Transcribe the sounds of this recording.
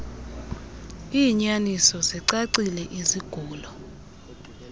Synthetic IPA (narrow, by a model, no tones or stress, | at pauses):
iːɲanisɔziǀaǀilɛʔiziɡ̥ʱuːlɔ